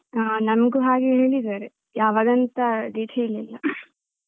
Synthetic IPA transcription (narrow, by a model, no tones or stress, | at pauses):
nɐmɡuɦaːɡeɦeːɭid̪aɾe | jaːʋaːd̪ɐnt̪ɐɖ̪iːʈʰiililːɐ